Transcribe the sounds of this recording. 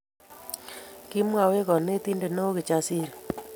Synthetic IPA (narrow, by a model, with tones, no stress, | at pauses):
ki˦mwa˨we˦kɔ˨ne˦ti˦nde˨no˦kɪ˨t͡ʃa˨si˦ɾ